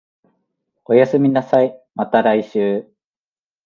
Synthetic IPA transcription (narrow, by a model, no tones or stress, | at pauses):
o̞jasɨmʲinasaimat̪aɾaiɕɨː